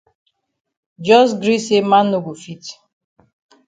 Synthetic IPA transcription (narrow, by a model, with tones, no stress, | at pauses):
d͡ʒɔ˦s̬ɡɾi˦se˦ma˦no˨ɡu˨fi˦t